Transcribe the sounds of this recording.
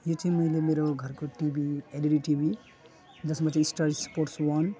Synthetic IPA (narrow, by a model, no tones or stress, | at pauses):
jot͡sʰiĩmʌilemeɾoɡʱʌɾkoʈibieliɽiʈibʱi | d͡zʌsmat͡sʰĩisʈaɾspoɾʈswʌn